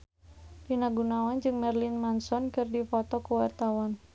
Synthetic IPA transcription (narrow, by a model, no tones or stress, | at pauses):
dinaɡunawand͡ʒɨŋmɛrlinmansɔnkɨrdifɔt̪ɔkuwart̪awan